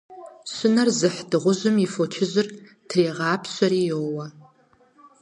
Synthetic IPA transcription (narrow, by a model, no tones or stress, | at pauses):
ɕʷʊnɐrzɨħdɨʁʷʊʑʊmifot͡ʃʰɪʑʷɪr | tʰreːʁɑːpʰɕʷɐɾiːjoːwɐ